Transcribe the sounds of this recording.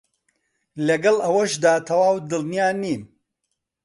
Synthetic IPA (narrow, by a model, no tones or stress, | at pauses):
lɐɡɐlˠʔɐwɐʃd̪aːt̪ʰɐwaːwd̪ɨlnijaːniːm